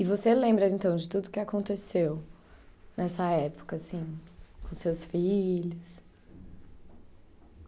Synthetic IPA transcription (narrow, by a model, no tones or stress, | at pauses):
ɪvoselẽmbɾɐẽnt̪ɐ̃w̃d͡ʒɪt̪ud̪ʊkɪakõnt̪esew | nɛsɐɛpʊ̥kɐsĩkõsewsfiʎʊs